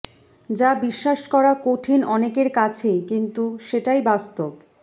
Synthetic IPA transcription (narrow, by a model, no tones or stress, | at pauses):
d͡ʑabiʃːaʃkɔɾakoʈʰinɔnekeɾkat͡ɕʰekint̪uʃeʈajbast̪ob